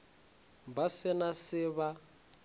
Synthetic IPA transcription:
basɪnasɪβa

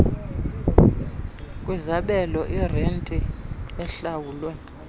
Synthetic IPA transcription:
kʼwizaɓɛlɔʔirentʼiɛɬawuːlwɛ

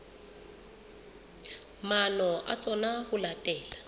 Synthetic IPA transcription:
manɔʔa̰t͡sʼɔnahʊlatʼɛːla

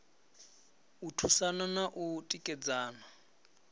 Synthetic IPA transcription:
utʰusananaʔutʼikʼɛd͡zaːna

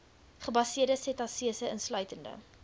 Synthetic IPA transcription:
χəbɐsiərdəsɛtɐsiəsəənslœɥtəndə̰

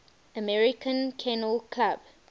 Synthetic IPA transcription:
əmɛɹikʰə̃nkʰɛnəlkʰlab̥

